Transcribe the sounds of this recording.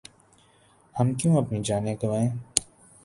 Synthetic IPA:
hɐmkjũːɐpnid͡ʒaːnekɐʋaːẽː

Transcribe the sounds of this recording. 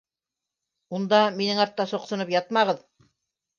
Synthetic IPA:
und̪ɑminɘŋɑɾt̪ːɑsŏqsŏnɤpjɑt̪̚mɑʁɤð

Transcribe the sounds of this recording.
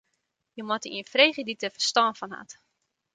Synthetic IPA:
jəmɔtəiənfrejχəditəfərstɔːnfɔnɦa̰t

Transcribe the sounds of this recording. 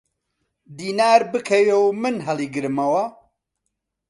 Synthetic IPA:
d̪iːnaːɾbɨkʰɐwewmɨnɦɐliːɡɨɾɨmɐwɐ

